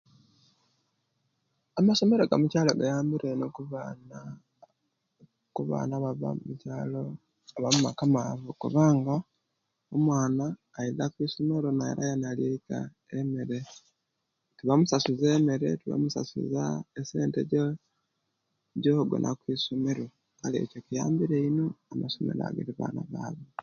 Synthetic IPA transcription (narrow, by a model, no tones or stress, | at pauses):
amaso̞me̞ɾoɡamucaːloɡajaːmbiɾenokuβn | kuβa̰ːnaβaβa̰mumucaːlo | βamumakamavukṵβaːŋɡa | omwaːnaː | iðakwiːsomeɾonajḛɾa̰janaljeika̰ | emeɾe | tiβamusasuzeːmeɾe̞̰tiβa̰musa̰sṵzaese̞ːnteɟo | ɟoɡwḛnʔakwisomeɾo | kalḛcokija̰ːmbiɾeinoamasomḛɾa̰ɡḛɾiβa̰ːnaβa̰ːβe